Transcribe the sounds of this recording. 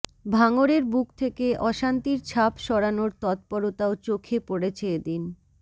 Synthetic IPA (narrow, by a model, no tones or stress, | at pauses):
bʱaŋoɾeɾbukt̪ʰekeʔɔʃant̪iɾt͡ɕʰapʃɔɾanoɾt̪ɔt̪̚pɔɾot̪aot͡ɕokʰepoɽet͡ɕʰeed̪in